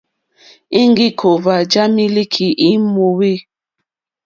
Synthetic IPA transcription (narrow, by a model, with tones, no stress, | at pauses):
i˦ŋ˦ɡi˦kʰo˨va˨d͡ʒa˦mi˦li˦kʰi˨ʔi˦mo˨we˦